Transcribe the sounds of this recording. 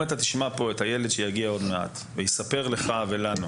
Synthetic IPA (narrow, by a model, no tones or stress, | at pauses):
et̪atiʃmapo̞e̞thajeled̪ʃejaɡiao̞dme̞a̰t | vejisape̞ʁle̞χave̞lanu